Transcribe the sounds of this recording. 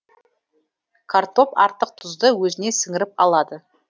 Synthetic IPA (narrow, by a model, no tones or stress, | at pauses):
kʰaɾt̪o̞pɑ̰ɾt̪əq̚t̪ʰʊzd̪əwɵzɪne̞sɪŋɪɾɪp̚ɑ̰lˠɑd̪ə